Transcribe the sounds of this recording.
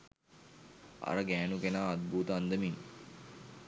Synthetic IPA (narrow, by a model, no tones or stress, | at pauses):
a̰ɾəɡæːnukenaːd̪̚buːt̪əːnd̪əmin